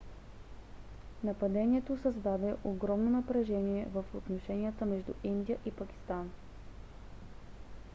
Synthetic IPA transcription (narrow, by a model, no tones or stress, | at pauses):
nɐpɐd̪ɛniɛt̪osəzd̪ad̪ɛʔoɡɾɔmnonɐpɾɛʒɛniɛvəfot̪noʃɛnijət̪əmɛʒd̪ṵʔind̪ijəʔipɐkʲi̥st̪an